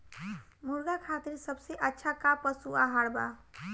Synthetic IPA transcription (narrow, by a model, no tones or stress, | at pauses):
muɾɡakʰat̪iɾsəbseʔətːʃʰakapəsuaɦaɽba̰